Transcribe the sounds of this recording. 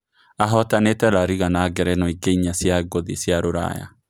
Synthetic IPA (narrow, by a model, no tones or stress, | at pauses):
aɦɔtanetɛlaɾiɣanaɡɛɾɛnɔiɡeiɲasjaɡoðḭsjaɾoɾa̰ja̰